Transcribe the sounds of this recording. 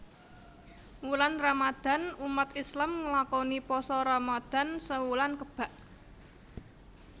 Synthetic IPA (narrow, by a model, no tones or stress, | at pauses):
wulanramad̪̥a̤numat̪islamŋəlakɔnipɔsɔɾamad̪̥a̤nsəwulankəb̥a̤ʔ